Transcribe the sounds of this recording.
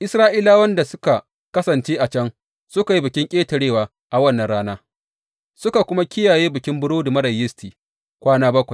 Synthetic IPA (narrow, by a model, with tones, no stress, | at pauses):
ʔɪ˦sɾaː˦ʔiː˦laː˦wɐ˦nda˨sʊ˦ka˨ | kɐ˦sɐ˨nt͡ʃeː˦ʔa˨t͡ʃɐ˦ŋ | sʊ˦ka˨ji˦bɪ˨kʲɪ˦ŋkʲʼeː˦tɐ˨ɽeː˦˨waː˨ | ʔa˨wɐ˦nːɐ˨nɽaː˦naː˦ | sʊ˦ka˨kʷʊ˦ma˦kʲɪ˦jaː˨jeː˦bɪ˨kʲɪ˦mbʊ˦ɽoː˦da˨mɐ˦ɾɐ˨jːɪ˦stiː˨ | kʷaː˦naː˦bɐ˦kʷa˨j